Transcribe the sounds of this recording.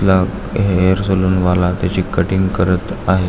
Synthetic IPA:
la | ɦeəɾsoluːnʋalat̪jat͡ɕiːkəʈiŋɡkəɾət̪aɦe

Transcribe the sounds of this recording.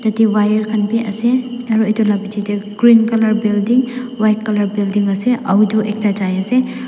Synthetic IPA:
tɐtiwajɐɾkʰɐnpiʔɐ̰seɐɾuɐjdolabid͡ʒid͡ʒeɡ̥ɾinkɐlɐɾbildiŋwaj̚kːɐlɐɾbildiŋɐseʔɐwd͡ʒuʔek̚tad͡ʒajɐse

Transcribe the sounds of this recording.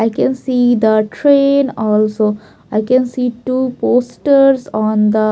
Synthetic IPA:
ajkɛ̃nsid̪əʈɾẽnɔlso | ajkɛ̃nsiʈuposʈəɾzɔ̃nd̪ə

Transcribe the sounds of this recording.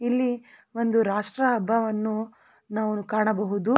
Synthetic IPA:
ilːi | ʋo̞nd̪uɾaːʂʈɾɐːbʱːɐʋɐnːu | naːʋukaːɳɐbɐɦud̪u

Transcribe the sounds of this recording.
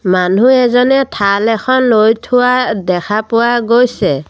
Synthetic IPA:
manuɛzɔnɛtʰalɛxʰɔnlojtʰʊwadɛkʰapʊwaɡojsɛ

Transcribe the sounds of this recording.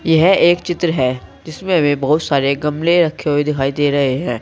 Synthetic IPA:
jɐɦeːkt͡ʃɪt̪ɾəɦɛːd͡ʒɪsmẽɦɐmẽbɐɦʊt̪saːɾeɡɐmleɾɐkʰːeɦoed̪ɪkʰaːid̪eːɾɐɦeɦɛ̃ː

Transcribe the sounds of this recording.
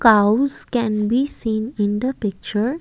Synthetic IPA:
kaʊskɛ̃nbisĩːnɪ̃nd̪əpɪk̚t͡ʃəɾ

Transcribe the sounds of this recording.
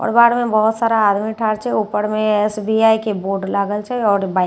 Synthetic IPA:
ɔ̰ːɾbaːɽmẽbɔɦʊt̪saːɾaaːd̪miʈʰaːɾt͡ʃɛuːpəɾmẽɛsbiaːikeboːɖlaːɡəlt͡ʃaeɔːɾbaːɪ

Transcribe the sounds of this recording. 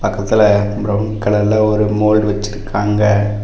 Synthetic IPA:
pɐkːɐt̪ːɪlɐpɾɐnkɐɭɐlːaɔɾɯmoːlɖʋɐt͡ʃːɪɾɯkʰːaːŋɡɐ

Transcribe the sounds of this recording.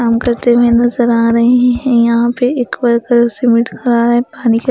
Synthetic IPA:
aːmkɐɾt̪emẽnɐzəɾaːɾɐɦeɦɛ̃ɦɛ̃jɐɦãpeeːkʋaɾkɐɾsɪmɪʈkʰɐɾaːɾɦɛ̃paːnike

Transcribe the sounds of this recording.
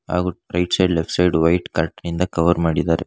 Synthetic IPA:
a̰ːɣuɾɐɪʈsɐɪɖlɛfʈsɐɪɖʋɐɪʈkɐɾʈːɐnɪnd̪ɐkɐʋɐɾmaːɽiðaːɾɛ

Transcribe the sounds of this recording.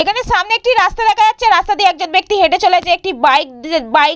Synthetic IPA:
ekʰaneʃamneek̚ʈiɾast̪ad̪ɛkʰad͡ʑatːɕʰeɾast̪ad̪ieɛk̚d͡ʑonbek̚t̪iɦeʈet͡ɕoled͡ʑeek̚ʈibajkbaj

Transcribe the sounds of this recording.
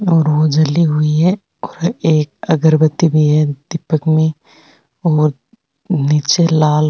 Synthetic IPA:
ɔːɾʋod͡ʒɐlːiɦʊiɦɛ | ɔːɾeːkɐɡəɾbət̪ibʱiɦɛd̪ɪpəkmẽ | ɔːɾ | niːt͡ʃelaːl

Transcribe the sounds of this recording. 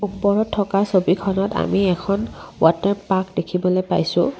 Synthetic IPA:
upɔɹɔtʰːɔkasobikʰɔnɔta̰miɛkʰɔnwa̰tɛɹmpakdekʰibɔlojpa̰jsʊ̰̃

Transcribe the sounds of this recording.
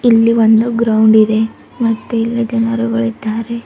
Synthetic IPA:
ilːiʋond̪uɡɾɐwuɳɖid̪e̞ | mɐt̪ːuilːid͡ʒɐnɐɾuɡɐɭid̪ːaːɾe̞

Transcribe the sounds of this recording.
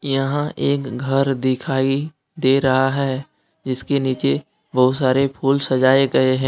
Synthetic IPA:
jɐɦãʔeːkɡʱɐɾd̪ɪkʰaːi | d̪eːɾɐɦaɦɛː | d͡ʒɪskeniːt͡ʃe | bɐɦʊt̪saːɾepʰuːlsɐd͡ʒaːeɡɐeɦɛ̃ː

